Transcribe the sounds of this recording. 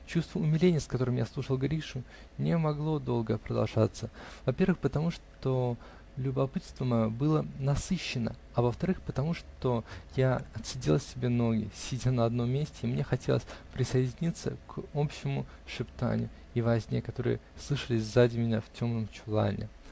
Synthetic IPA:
t͡ɕust̪vəʊmʲɪlʲenʲɪjəskɐt̪o̞ɾɨmja̰slˠuʂəlˠɡɐɾʲiʂʊ | nʲɪmɐɡlˠo̞d̪o̞lˠɡəpɾəd̪ɐ̰lˠʐat̪səvɐpʲe̞ɾvɨxpət̪ɐmuʂt̪o̞ | lʲʊbɐpɨt̪st̪vəmɐjo̞bɨlˠənɐsɨɕːɪnə̰ | ɐvəft̪ɐɾɨxpət̪ɐmuʂt̪o̞jaɐt̪sʲɪdʲelˠəsʲsʲɪbʲe̞no̞ɡʲɪ̰sʲɪdʲanəɐd̪no̞mʲːesʲtʲɪimnʲe̞xɐtʲe̞lˠəsʲpɾʲɪsəjɪdʲɪnʲit̪sə̰ko̞pɕːɪmʊ | ʂɨpt̪a̰nʲʊ | ivɐzʲnʲekɐt̪o̞ɾɨ̰jə̰slˠɨʂəlʲɪsʲzadʲɪmʲɪnʲaftʲo̞mnəmt͡ɕʊlˠa̰nʲɪ̰

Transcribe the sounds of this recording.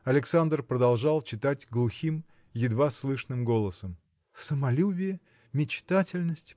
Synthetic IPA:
ɐlʲɪksand̪rpɾəd̪ɐlˠʐɑlˠt͡ɕɪt̪atʲɡlˠʊxʲim | jɪd̪vaslˠɨʂnɨmɡo̞lˠəsəm | səmɐlʲubʲɪjə | mʲɪt͡ɕt̪atʲɪlʲnəsʲtʲ

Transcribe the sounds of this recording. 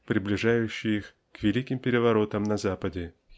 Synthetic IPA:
pɾʲɪblʲɪʐajʉɕːɪjix | kvʲɪlʲikʲɪmpʲɪɾʲɪvɐɾo̞t̪əmnɐzapədʲɪ

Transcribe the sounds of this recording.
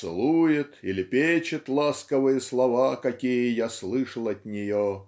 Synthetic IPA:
sɨ̰lˠujɪt̪ilʲɪpʲet͡ɕɪt̪lˠaskəvɨjəslˠɐvakɐkʲijəjaslˠɨʂəlˠɐt̪ʲnʲɪjo

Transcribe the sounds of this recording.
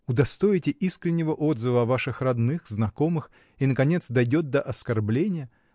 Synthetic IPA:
ʊd̪ɐst̪o̞jɪtʲɪʔiskɾʲɪnʲːɪvəʔo̞d̪zɨvəɐvaʂɨxrɐd̪nɨxznɐko̞mɨx | inəkɐnʲe̞t̪sd̪ɐjdʲo̞t̪̚d̪əʔɐskɐrblʲenʲɪjə

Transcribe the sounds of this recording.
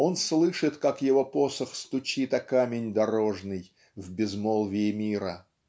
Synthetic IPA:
o̞nslˠɨʂɨt̪kakjɪvo̞po̞səxst̪ʊt͡ɕit̪ɐkamʲɪnʲd̪ɐɾo̞ʐnɨj | vbʲɪzmolˠvʲɪːmʲiɾə

